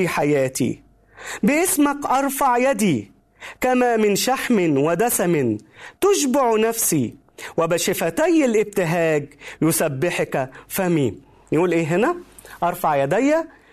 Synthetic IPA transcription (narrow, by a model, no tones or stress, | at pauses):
iːħajæːt̪ḭː | bɪʔɪsmakʔɑɾˤfɑʕjæd̪iː | kæmæmɪnʃaħmɪnwɪd̪æsamɪnt̪ʊʒbʊʕnæfsiː | wɪbæʃɪfæt̪æjːɪlʔɪb̚t̪ɪɦæːɡjʊsabːɪħkæfæmiː | jʔuːlʔeːɦɪnæ | ʔɑɾˤfɑʕjæd̪æjːæ